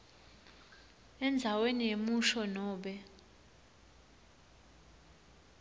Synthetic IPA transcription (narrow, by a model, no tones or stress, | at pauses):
ɛnd͡zʱawenijemuʃɔnɔːɓɛ